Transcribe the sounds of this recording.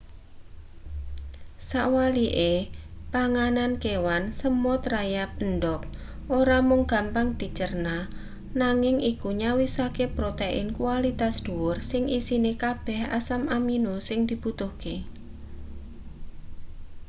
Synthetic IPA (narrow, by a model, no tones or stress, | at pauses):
saʔwaliʔepaŋanankewansəmʊt̪rajap̚ənɖɔk̚ | ʔoɾamʊŋɡ̥a̤mpaŋd̪̥i̤t͡ʃərna | naŋɪŋʔikuɲawisakepɾot̪eʔɪ̰nkualit̪asd̪̥uwʊrsɪŋʔisinekab̥ɛ̤hasamaminosɪŋd̪̥i̤b̥ut̪ʊhke